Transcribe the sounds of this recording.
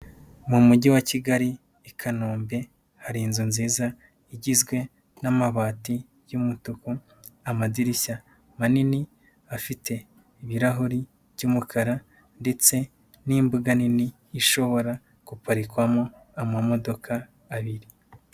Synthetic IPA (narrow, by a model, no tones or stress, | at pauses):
mumuɟiwaciɡaɾi | ekʰanoːmbe̞ | haɾinzunziːza | iɟizɡwe̞ | namaβaːti | jumutuku | amadiɾiça | manini | afitʰe̞ː | βiɾaɦuɾi | v̥ɟuːmukʰaɾa | nde̞t͡se̞ | niːmbuɡaniniː | ʃo̞βo̞ɾa | kupaɾikwamo | amamo̞do̞kaː | βiɾi